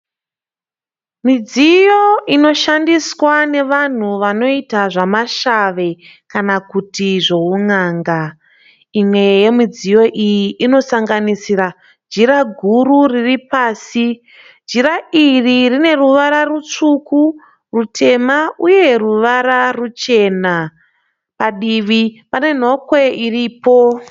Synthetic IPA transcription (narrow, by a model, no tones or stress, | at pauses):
mid͡zijo̞ino̞ʃandiswane̞ʋan̤uʋano̞itaʐamaʃaʋe̞ | kanakutiʐo̞unaːŋɡa | imwe̞je̞mid͡zijo̞ʔijiʔino̞saŋɡanisira | d͡ʒiɾaɡʱuɾuriripaːsi | d͡ʒiɾaʔiririne̞ruʋaɾarut͡ʂuku | rutʰe̞mauje̞ruʋaɾarut͡ʃe̞na | paɗiʋipane̞n̤o̞kwe̞iriːpo̞